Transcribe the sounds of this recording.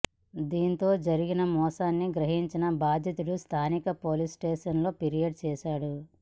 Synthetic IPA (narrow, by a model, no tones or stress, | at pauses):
d̪iːnt̪o̞ːd͡ʒɐɾiɡinɐmɔːsaːnːiɡɾɐɦiɲt͡ʃinɐbaːd̪ʱjɐt̪ulust̪ʰaːnikɐpoːlisʈeːʂɐnlo̞ːpiɾijɐɖ̚t͡ʃɛːʃaːɽu